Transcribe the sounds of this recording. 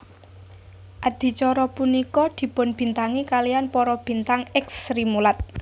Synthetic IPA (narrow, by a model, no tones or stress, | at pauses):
ʔad̪̥i̤t͡ʃɔɾɔpunikɔd̪̥i̤pʊnb̥i̤nt̪aŋikalijanpɔɾɔb̥i̤nt̪aŋɛksɾimulat̪̚